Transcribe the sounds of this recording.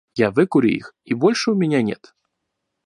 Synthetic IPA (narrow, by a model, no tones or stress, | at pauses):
javɨkuɾʲṵḭxibɔlʲʂumʲɛnʲɛnʲɛ̰t̪